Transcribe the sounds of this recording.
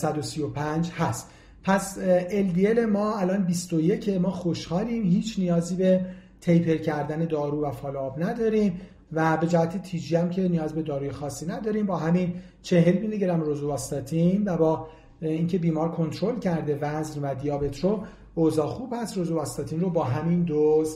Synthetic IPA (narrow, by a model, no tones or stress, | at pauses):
sæd̪osijo̞pʰænd͡ʒhæst̪ | pʰæse̞ld̪ie̞le̞mɒːælɒːnbist̪oje̞cʰe̞mɒːxo̞ʃhɒːliːmhiːt͡ʃʰnijɒːziːbe̞t̪ʰe̞jpʰe̞ɾcʰæɾd̪æne̞d̪ɒːɾuːvæfɒːloɒːbnæd̪ɒːɾiːm | væbe̞d͡ʒæhæt̪ʰet̪ʰiːd͡ʒiːæmcʰe̞nijɒːzbe̞d̪ɒːɾuːje̞xɒːsːiːnæd̪ɒːɾiːmbɒːɦæmin | t͡ʃʰe̞ɦe̞lmiːneɟeɾæmɾozubɒːst̪ɒt̪ʰinvæbɒː | iːŋcʰe̞biːmɒːɾkʰo̞nt̪ʰɾolcʰæɾd̪e̞væznvæd̪ijɒːbet̪ʰɾo | oːzɒːxuːb̥hæst̪rozubɒst̪ɒt̪ʰiːnrobɒːɦæmind̪oz